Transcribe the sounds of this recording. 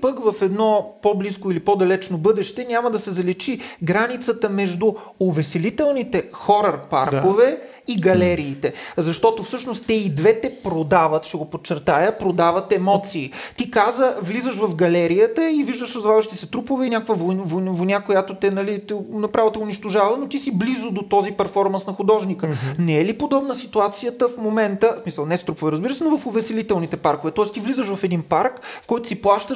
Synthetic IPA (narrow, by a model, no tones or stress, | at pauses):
pəkvɐfɛd̪nɔpobliskʊilipɔd̪ɐlɛt͡ʃnobɤd̪ɛʃt̪ɛnʲaməd̪ɐsɛzɐlɛt͡ʃiɡɾanit̪sət̪əmɛʒd̪ʊ | ovɛsɛlit̪ɛlˠnit̪ɛxɔɾɐrpa̰ɾkovɛ | iɡɐlɛɾiːt̪ɛzɐʃt̪ɔt̪ofsɤʃnost̪t̪ːɛid̪vɛt̪ɛpɾod̪avət̪ʃɛɡopot͡ʃːɛɾt̪ajəpɾod̪avət̪ɛmɔt̪siːt̪ikazəvlizəʃvɐfɡɐlɛɾijət̪əiviʒd̪əʃɾəzvavəʃt̪isɛt̪ɾupovɛinʲakəkvəvovovonʲakojat̪ot̪ɛnɐlit̪ɛnɐpɾʔavot̪ɛʊniʃt̪oʒavənot̪isiblizʊd̪ot̪ɔzipɛɾfɔɾmɐnsnɐxʊd̪ɔʒnikənɛɛlipod̪ɔbnəsit̪uat̪sijət̪əfmomɛnt̪əsmisəlˠnɛst̪ɾupovɛɾəzbiɾəsɛnovɐfʊvɛsɛlit̪ɛlˠnit̪ɛpaɾkovɛt̪ɔɛst̪ivlizəʃvɐfɛd̪inpaɾkfkɔjt̪ʊ̥siplˠaʃt̪ə